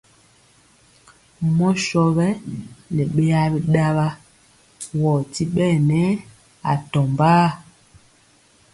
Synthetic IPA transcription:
mɔ˦ʃɔ˦bɛ˦le˨ɓe˦ja˦bi˦ɗa˦ba˦ | wɔ˨ti˦ɓɛ˦˨nɛ˦ | a˨tɔ˨mbaː˦

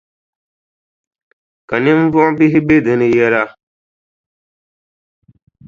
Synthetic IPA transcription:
ka˨nɪ˦m˦vɔ˦ʔbɪ˦ɦɪ˦be˦dɨ˨nɨ˦jɛ˦la˦

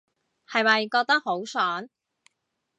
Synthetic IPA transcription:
hɐ˨jmɐ˨jkɔː˧k̚t̪ɐ˥k̚ho˨˥wsœː˨˥n

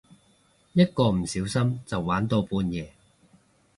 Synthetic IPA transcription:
jɐ˥t̚kɔː˧m̩˨˩siː˨˥wsɐ˥mt͡sɐ˨wːaː˨˥nt̪o˧wpuː˧njɛː˨˧

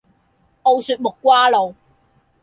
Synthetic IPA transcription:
ʔo˧wsyː˧t̚mʊ˨kːʷwaː˥lo˨w

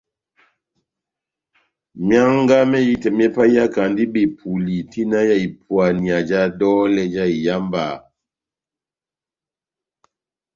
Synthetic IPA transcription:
mja˦ŋ˦ɡa˦mɛ˦ji˦tɛ˨m˦ɛ˦pa˦ja˦ka˨ndi˦be˨pʰu˨li˨ti˦na˦ja˦˨i˨pwa˨ni˨a˨d͡ʒa˦dɔ˦lɛ˦d͡ʒa˦i˨ja˦mba˨

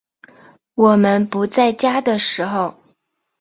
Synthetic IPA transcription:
wɔ˨˩mə˧npu˧˥t͡sa˥˩ɪt͡ɕja˥d̪ə˨ʂɻ̩˧˥xo˧ʊ

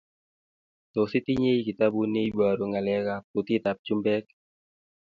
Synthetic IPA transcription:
t̪o˨si˦t̪i˦ɲe˦jki˨t̪abu˦ne˦jbaɾuŋa˨lɛ˦ɣaput̪i˦t̪a˨p̚d͡ʒu˦mbɛk̚

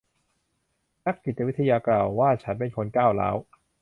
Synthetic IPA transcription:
na˦˥k̚t͡ɕi˨˩t̪̚ːa˧wi˦˥t̪ʰa˧jaː˧klaː˨˩wːaː˥˩t͡ɕʰa˦˥np̬e˧nkʰo˧nkaː˥˩wla̰ː˦˥w

